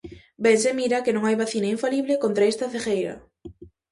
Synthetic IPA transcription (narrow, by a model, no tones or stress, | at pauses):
bensemiɾakenõŋajβaθinaiɱfaliβlɪkont̪ɾaest̪ɐθexejɾɐ̰